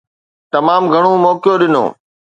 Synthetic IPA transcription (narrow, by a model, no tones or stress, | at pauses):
t̪ɐmaːmɡʱɐɽ̃omɔːkjoɗɪno̰ː